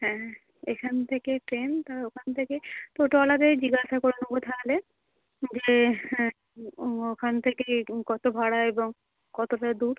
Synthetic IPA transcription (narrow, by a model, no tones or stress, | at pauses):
ɦɛ̃ | eʃʰant̪ʰekeʈɾent̪aokʰant̪ʰeket̪oʈoalad̪ed͡ʑiɡaʃakoɾonobot̪ʰaale | d͡ʑe | okʰant̪ʰekekɔt̪obʱaɽaeboŋ | kɔt̪oʈad̪uɾ